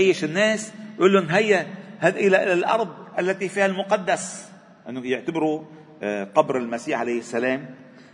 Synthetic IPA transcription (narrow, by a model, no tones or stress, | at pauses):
ajːɪʃɪnːeːsʔuːlːʊʔnɦajːahad̪ʔɪlaʔɪlalʔɑ̰ɾˤd̪ˤʔalːat̪ifiːhalmʊqɑd̪ːas | ʔɪnːʊjɪʕt̪abɪɾu | qɑbɾɪlmasiːħʕalajɪsːaleːm